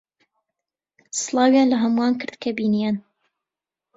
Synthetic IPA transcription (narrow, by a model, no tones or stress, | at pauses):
sɨlˠɑːwjaːnlɐɦɐmuaːnkʰɨɾd̪̥kʰɐbiːnijan